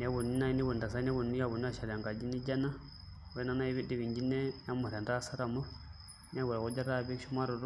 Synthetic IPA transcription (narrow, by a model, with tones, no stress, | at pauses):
nɛ˦βu˨ni˦na˦i˦ni˦βu˨nda˨sa˦n˦ɛ˦βu˨ni˦ja˦˨βu˨n˦a˦ʃa˨la˨ŋɡa˨d͡ʒi˦ni˦d͡ʒa˦na˦ | we˦na˦na˦i˦βi˦di˨βi˨ɲd͡ʒi˦nɛ˦ja˦mu˨ɾa˨nda˦˨sa˦ɾa˨mu˦ | n˦a˦βu˨ɾa˨ku˦d͡ʒa˦ɾa˦˨βi˦ʃu˦ma˦ɾu˨ɾ